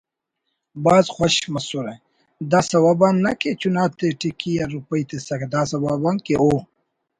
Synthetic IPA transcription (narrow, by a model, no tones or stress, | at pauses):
bɑːzxwaʃmasuɾaj | d̪asawabanːaket͡ʃunɑt̪eʈikijaɾupəjt̪esakd̪asawabankeo